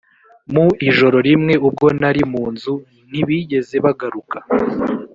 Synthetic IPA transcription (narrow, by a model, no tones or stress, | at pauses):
muiʒo̞ɾo̞ɾimŋe̞ub̚ɡo̞naɾimuːnzu | niβiɟe̞ze̞βaɡaɾukḁ